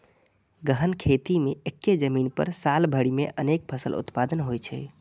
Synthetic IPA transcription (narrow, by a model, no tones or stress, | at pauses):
ɡəɦənkʰet̪imeekːed͡ʒəminpə̰ɾsalbʱəɽimeʔənek̚pʰəsə̰lʔṵt̪pad̪ənɦojt͡ʃʰɛ̰